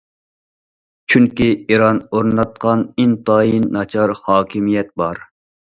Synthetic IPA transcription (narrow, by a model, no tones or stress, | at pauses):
t͡ʃʰyŋkʲiiɾɑnoɾnɑt̪̚qʰɑnint̪ɑːjinːɑt͡ʃʰɑɾhɑːkʲʰimijɛt̪̚bɑɾ